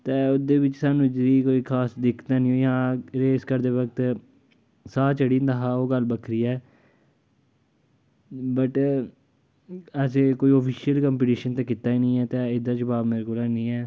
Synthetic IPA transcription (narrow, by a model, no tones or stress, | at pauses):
t̪eːod̪eːbɪt͡ʃsaːnũːd͡ʒɾiːkoːiːkʰaːsd̪ɪkʰt̪aːnĩːõːjɦãːɾeːskəɾd̪eːʋəkt̪ | saːt͡ʃəɽiːnd̪aːɦaːoːɡəlbəkʰɾiːɛː | bəʈ | əseːkoːiːɔːpʰiːʃiəlkəmpiʈiːʃənt̪ẽːkɪt̪aːiːnĩːɛːt̪eːɪd̪ãːt͡ʃbaːbmeːɾekoːlaːnĩːɛː